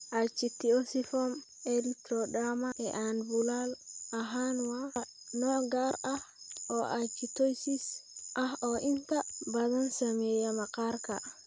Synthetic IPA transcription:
ʔat͡ʃːitiɔsifɔm | ɛlit̪ɾɔdamaʔɛʔanbulalʔaɦanwa | nɔɡaɾa | ɔʔat͡ʃːitojsisʔahɔʔintabadansamɛjamakaɾka̰

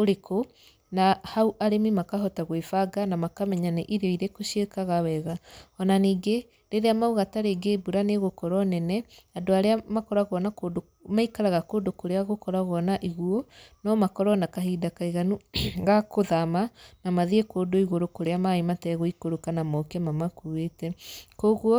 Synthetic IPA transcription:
oɾekʰo | nahauʔaɾemimakaɦɔtaɣwefaɡanamakamɛɲaneʔiɾeɔiɾekoʃiekaɣawɛɣaɔnaniːɡe | ɾeɾeamauɣataɾeɡebuɾaneɣokɔɾɔnɛnɛ | adoaɾeamakɔɾaɣwɔnakodo | maikaɾaɣakodokoɾeaɣokɔɾaɣɔnaʔiɣuonɔmakɔɾɔnakaɦiːdakaiɣanuɣakoðamanamaðiekoːdoiɣoɾokoɾeamaimatɛɣoikoɾokanamɔkɛmamakuetɛkoɣwɔ

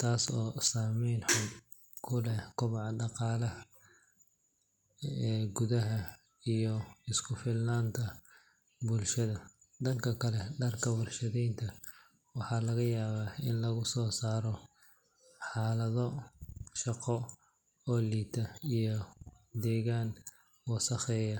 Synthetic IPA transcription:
t̪ʰaːsɔːsaːmɛjnħʊ | kʰʊlɛkʰʊβɑʕɑɖɑqɑːlɐh | ɛːɡʊðɐɦɐ | ijɔɪskʰʊfɪlnaːnt̪ʰɐ | bʊlʃɐðɐ | d̪ɐŋkʰɐkʰɐlɛɖɐrkʰɐwɐrʃɐðɛjnt̪ʰɐ | wɑħɑːlɐɣɐjaːβaːɪnlɐɣʊsɔːsaːɾɔ | ħɑːlɐðɔʃɑqɔ | ɔːliːt̪ʰɐijɔ | d̪ɛːɣaːn | wɑsɐχɛːjɐ

